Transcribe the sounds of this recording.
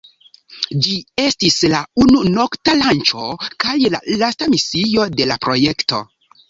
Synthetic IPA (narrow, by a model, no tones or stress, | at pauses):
d͡ʒie̞stislaununo̞ktalant͡ʃo̞kajla̰lastamisijo̞de̞la̰pɾojekto̞̰